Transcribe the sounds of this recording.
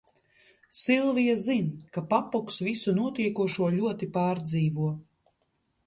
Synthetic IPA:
silˠvijazinkapapɔksvisunuɔt̪iɛkuɔʃuɔlʲuɔt̪ipaːɾd̪ziːvuɔ

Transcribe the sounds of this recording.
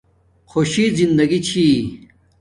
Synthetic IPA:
xʰoɕizind̪ɐɡit͡ɕʰi

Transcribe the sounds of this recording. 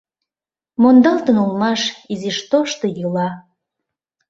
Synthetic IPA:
mond̪ɑlt̪ənulmɑʃizeʃt̪oʃt̪o̽jɯlɑ

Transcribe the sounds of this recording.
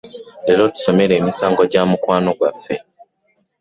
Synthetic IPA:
lelo̞tu̥so̞me̞ɾe̞ːmisaːŋɡo̞ɟaːmukwaːno̞ɡwafːe̞

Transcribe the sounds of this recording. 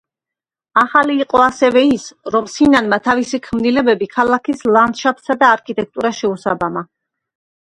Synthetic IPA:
aχaliːqʼɔasɛvɛisɾɔmsinanmat̪ʰavisikʰmnilɛbɛbikʰalˠakʰislˠand̪ʃapʰsad̪aːɾkʰit̪ʼɛk̚ʰt̪ʼuɾaʃɛusabama

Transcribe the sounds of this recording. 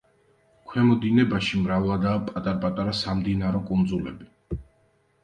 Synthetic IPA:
kʰwɛmɔd̪inɛbaʃimɾavlˠad̪aːpʼat̪ʼaɾpʼat̪ʼaɾasamd̪inaɾɔkʼund̪zulɛ̰bi

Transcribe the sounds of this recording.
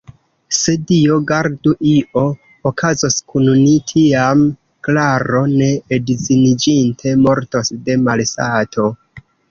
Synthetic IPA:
se̞dio̞ɡaɾduʔiʔo̞ | okʰazoskunnitʰiam | klaɾo̞ne̞ːdzinid͡ʒintʰe̞mo̞ɾtosde̞malsa̰tʰo̞

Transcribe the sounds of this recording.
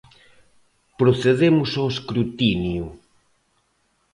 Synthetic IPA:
pɾoθeðemʊsoweskɾut̪inju

